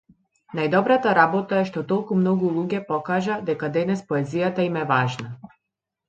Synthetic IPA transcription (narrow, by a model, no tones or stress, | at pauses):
najd̪ɔbɾat̪aɾabɔt̪aɛʃt̪ɔt̪ɔlˠkumnɔɡulˠuɟʲɛpɔkaʒad̪ɛkad̪ɛnɛspɔɛzijat̪aimɛvaʒna